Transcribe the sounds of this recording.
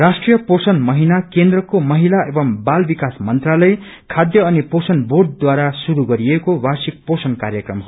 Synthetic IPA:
rasʈrijʌposʌnmʌɦinakend̪rʌkomʌɦilaʔebʌmbalbikasmʌnt̪ralʌj | kʰad̪jʌːniposʌnborɖ̚d̪waɾasuɾuɡʌɾiekobarsik̚posʌnkaɾjʌkrʌmɦ

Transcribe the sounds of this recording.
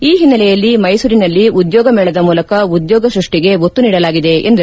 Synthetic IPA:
iːɦinːɐlɛjɐlːimɐjsuːɾinɐlːiud̪jɔːɡɐmɛːɭɐd̪ɐmuːlɐkɐud̪jɔːɡɐsɾuʂʈiɡe̞ʋot̪ːuniːɽɐlaːɡid̪e̞ḛnd̪ɐ

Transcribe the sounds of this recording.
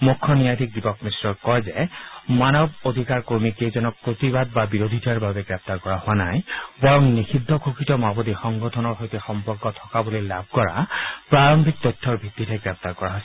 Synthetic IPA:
mukʰːɔnijad̪ʱik̚dipɔkmisɹɔɹkɔjzɛmanɔbod̪ʱikaɹkoɹmikezɔnɔk̚pɹot̪ibad̚babiɹod̪ʱitʰaɹbabɛɡɹɛp̚t̪aɹkɔɹaɦowanajbɔɹɔŋnixʰidʱːɔkʰokitɔmabɔdixɔŋɡɔtʰɔnɔɹxojtɛxɔmpɔɹkɔtʰɔ̥kabolilab̚ʱkɔɹa̰pɹaɹɔmbʱik̚t̪ɔjtʰːɔɹbʱit̪ːitʰɛɡɹɛp̚t̪aɹkɔɹaɦɔjsɛ

